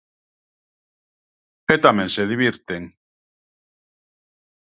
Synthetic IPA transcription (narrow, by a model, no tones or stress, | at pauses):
et̪amẽnseðiβiɾt̪eŋ